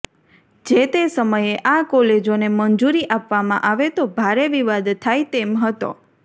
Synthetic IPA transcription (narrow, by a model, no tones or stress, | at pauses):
d͡ʒet̪esəməjeʔakɔled͡ʒonemənd͡ʒuɾiʔapʋamã̰ʔaʋet̪obʱaɾeʋiʋad̪t̪ʰːajt̪emɦət̪o̰